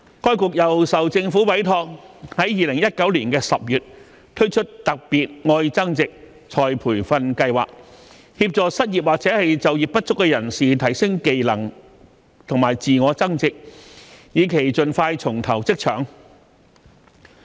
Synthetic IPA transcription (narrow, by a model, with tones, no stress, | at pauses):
kɔː˥jkʊ˨k̚jɐ˨˩wsɐ˨wt͡sɪ˧ŋfuː˨˥wɐ˨˥jt̪ʰɔː˧k̚hɐ˨˥jjiː˨˧lɪ˨˩ŋjɐ˥t̚kɐ˨˥wliː˨˩nkɛː˧sɐ˨p̚jyː˨t̚ | t̪ʰɵ˥ɥt͡ʃʰɵ˥t̚t̪ɐ˨k̚piː˨t̚ŋɔː˧jt͡sɐ˥ŋt͡sɪ˨k̚ | t͡sʰɔː˨jpʰuː˨˩jfɐ˧nkɐ˧jwa̰ː˨k̚ | hiː˧p̚t͡sɔː˨˧sɐ˥t̚ji˨p̚waː˨k̚t͡sɛː˨˥hɐ˨jt͡sɐ˨wjiː˨˩p̚pɐ˥t̚t͡sʊ˥kːɛː˧jɐ˨˩nsiː˨t̪ʰɐ˨˩jsɪ˥ŋke˨jlɐ˨˩ŋ | t̪ʰʊ˨˩ŋmaː˨˩jt͡siː˨ŋɔː˨˧˥t͡sɐ˥ŋt͡sɪ˨k̚jiː˨˧kʰe˨˩jt͡sɵ˨nfaː˧jt͡sʰʊ˨˩ŋt̪ʰɐ˨˩wt͡sɪ˥k̚t͡ʃʰœ̰ː˨˩ŋ